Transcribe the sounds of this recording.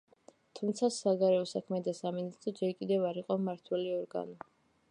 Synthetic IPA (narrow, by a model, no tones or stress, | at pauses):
t̪ʰumt̪sʰasaɡaɾɛɔsakʰmɛd̪asaminist̪ʼɾɔd͡ʒɛɾkʼid̪ɛvaɾiqʼɔmaɾt̪ʰwɛliɔɾɡa̰nɔ